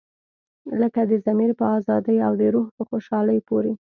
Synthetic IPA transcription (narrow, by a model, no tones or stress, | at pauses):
ləkad̪əzamiɾpəɑzɑd̪əjawd̪əɾoɦpəxoʃɑləjpoɾe